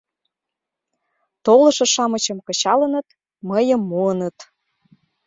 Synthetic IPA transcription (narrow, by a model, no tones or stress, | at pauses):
t̪olɤ̆ʃɤ̆ʃɑmət͡ɕɤ̆mkɤ̆t͡ɕɑlə̆nət̪ | məjə̆mːuənət̪